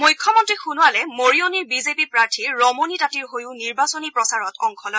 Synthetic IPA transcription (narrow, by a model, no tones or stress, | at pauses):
mujkʰːɔmɔntɹixunʊwalɛmoɹijoniɹbizepipɹaɹtʰiɹːɔmonitatiɹɦojʊ̃niɹbasonipɹɔsaɹɔtʰɔŋkʰɔlɔj